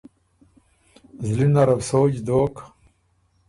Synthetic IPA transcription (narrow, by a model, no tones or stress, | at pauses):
zlinaɾɐvsoːd͡ʑd̪oːk